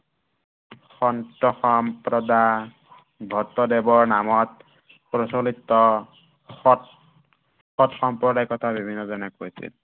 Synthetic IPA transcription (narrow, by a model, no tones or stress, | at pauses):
xɔntɔxɔmpɾɔda | bʱɔt̪ːɔdebɔɹnamɔt̚ | pɹɔsolit̪ːɔ | ɔt | xɔtxɔmpɹɔdajkɔt̪ʰabibʱinːɔzɔnɛkojsḭl